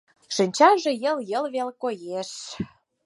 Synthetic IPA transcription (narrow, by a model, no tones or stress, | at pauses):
ʃinʲt͡ɕɑʒĕjəljə̆lβelkojeʃ